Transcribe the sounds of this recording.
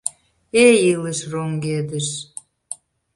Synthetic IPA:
eiləʃroŋɡed̪əʃ

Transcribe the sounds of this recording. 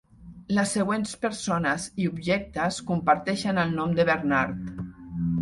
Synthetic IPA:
ləsːəɣwenspəɾsonəziubʒɛk̚t̪əskumpəɾt̪ɛʃənəlˠnɔmd̪əβəɾnaɾt̪

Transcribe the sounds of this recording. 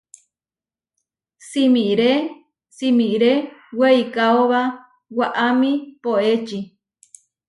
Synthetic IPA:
simĩɾe | simĩɾeweikaoβa | waʔamĩpoet͡ʃi

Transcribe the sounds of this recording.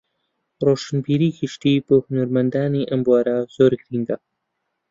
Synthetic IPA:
ɾoːʃənbiːɾiːkiʃt̪iːbəhunɐɾmɐnd̪aːniʔɐmbuaːɾaz̥oːɾɡɾiŋɡa

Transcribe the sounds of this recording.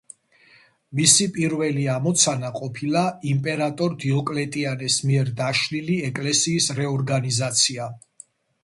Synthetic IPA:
misipʼiɾvɛliamɔt̪sʰanaqʼɔpʰilaimpʼɛɾat̪ʼɔɾd̪iɔkʼlɛt̪ʼianɛsmiɛɾd̪aʃliliɛkʼlɛsiːsɾɛɔɾɡanizat̪sʰia

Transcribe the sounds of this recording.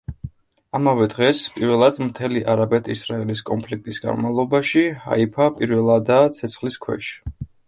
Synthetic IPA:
amavɛd̪ʁɛspʼiɾvɛlˠad̪mt̪ʰɛliʔaɾabɛt̪ʰisɾaɛliskʼɔnpʰlik̚t̪ʼisɡa̰nmalˠɔbaʃiha̰ipʰapʼiɾvɛlˠad̪at̪sʰɛt̪sʰχliskʰwɛ̰ʃi̥

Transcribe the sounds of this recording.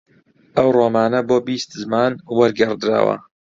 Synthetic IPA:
ʔɐwroːmaːnɐboːbiːst̪zmaːnwɐɾɡɐrd̪ɨɾa̰ːwɐ̰

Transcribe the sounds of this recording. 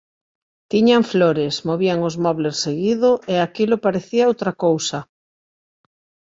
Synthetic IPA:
t̪iɲaɱfloɾesmoβiaŋʊzmɔβleseɣiðʊʔeakilʊpaɾeθiaowt̪ɾakowsa

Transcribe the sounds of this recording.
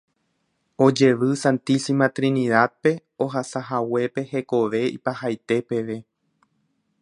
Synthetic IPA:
o̞d͡ʒe̞ʋɨsãnt̪isimat̪ɾĩniðad̪̚pe̞ | oɦasaɦawe̞pe̞he̞ko̞ʋe̞ḭpahajt̪e̞pe̞ʋe̞

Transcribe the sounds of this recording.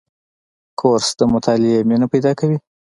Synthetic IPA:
kʰoɾsd̪əmʊt̪ʰɑlɪeminopajd̪ɑkawi

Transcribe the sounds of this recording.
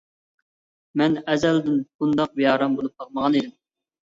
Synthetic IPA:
mɛnɛzɛld̪ɪnb̥und̪ɑq̚bijɑːɾɑmbolˠup̚qʰɑlˠməʁɑned̪ɪm

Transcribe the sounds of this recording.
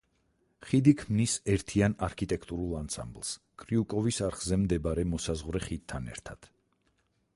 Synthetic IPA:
χid̪ikʰmnisɛɾt̪ʰianaɾkʰit̪ʼɛkʰt̪ʼuɾulˠansa̰mblˠs | kʼɾiukʼɔvisaɾχzɛmd̪ɛbaɾɛmɔsazʁwɾɛχid̪̚tʰːanɛ̰ɾt̪ʰad̪̥

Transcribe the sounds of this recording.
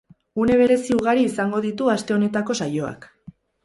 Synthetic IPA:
une̞β̞e̞ɾe̞siuɣ̞aɾiːsaŋɡo̞ðit̪uast̪e̞o̞ne̞t̪ako̞sajo̞a̰k

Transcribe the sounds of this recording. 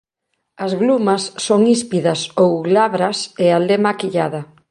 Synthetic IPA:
ɐzɣlumɐsːoŋispiðɐsowlaβɾɐsealemakiʎaðɐ

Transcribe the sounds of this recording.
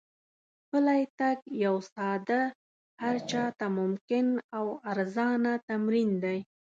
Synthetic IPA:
pəlajt̪aɡjawsɑd̪a | haɾt͡ʃɑt̪amʊmkɪnawaɾzɑnat̪amɾind̪aj

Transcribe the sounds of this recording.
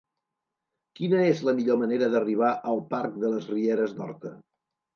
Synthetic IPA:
kinəezləmiʎoməneɾəðəriβ̞aʔəlˠpaɾk̚d̪ələzrieɾəznɔ̰ɾt̪ə

